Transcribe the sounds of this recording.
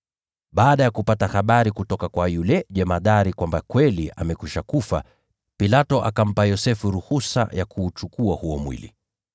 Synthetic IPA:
ɓaːɗajakupatahaɓaɾikutɔkakwajulɛʄɛmaðaɾikwambakwɛliʔa̰mɛkiʃakufa | pilatɔʔa̰kam̩pajɔsɛfuɾuhusa̰jakʰuːt͡ʃukuahuɔmwḭlḭ

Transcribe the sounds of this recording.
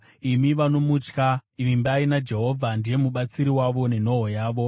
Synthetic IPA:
imiʋano̞mut͡ʃkaiʋimbaːinad͡ʒe̞ɦo̞vʱandije̞muɓat͡siɾiwaʋo̞ne̞no̞ɦojaːʋo̞

